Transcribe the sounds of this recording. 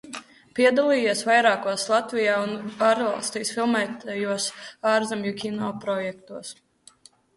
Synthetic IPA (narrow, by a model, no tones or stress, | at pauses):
piɛd̪alˠiːjiɛsvajɾaːkuɔslˠat̪vijaːunaːɾvalˠst̪iːsfilˠmɛːt̪ajuɔsaːɾzamjukʲinɔpɾɔjɛk̚t̪uɔs